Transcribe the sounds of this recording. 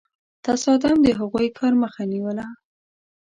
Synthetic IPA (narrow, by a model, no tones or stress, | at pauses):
t̪asɑd̪amd̪əɦaɣujkʰɑɾməxaniwəla